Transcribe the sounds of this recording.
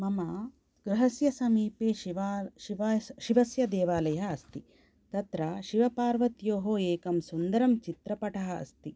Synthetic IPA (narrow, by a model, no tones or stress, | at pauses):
mɐmɐ | ɡ̥ɾuɦɐsjɐsɐmiːpeːʋ | ʃiʋɐsjɐd̪eːʋaːlɐjɐɦɐːst̪i | t̪ɐt̪ɾɐʃiʋɐpaːɾʋɐt̪joːɦoːeːkɐmsund̪ɐɾɐmt͡ʃit̪ɾɐpɐʈʰɐɦɐɐ̰st̪i